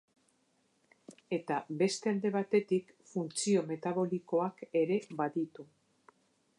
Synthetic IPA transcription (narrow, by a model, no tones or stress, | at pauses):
e̞t̪aβe̞st̪e̞ald̪e̞β̞at̪e̞t̪ik | funt͡sio̞me̞t̪aβ̞o̞liko̞ake̞ɾe̞βaðit̪u